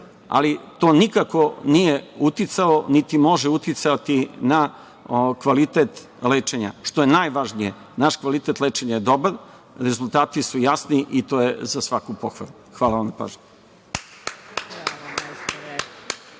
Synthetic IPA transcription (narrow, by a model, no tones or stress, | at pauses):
a̰lit̪o̞ːnikako̞nijeut̪it̪sao̞nit̪imo̞ʒeut̪it̪sat̪ina | okʋalit̪et̪ | leːt͡ʃeɲa̰ʃt̪o̞jenaːjʋaʒnije | naʃkʋalit̪e̞t̪let͡ʃeɲajed̪o̞baɾ | ɾe̞zulˠt̪aːt̪isujasniʔit̪o̞ːjezasʋakupoxʋa̰luxʋaːlˠaʋamnapa̰ːʒɲe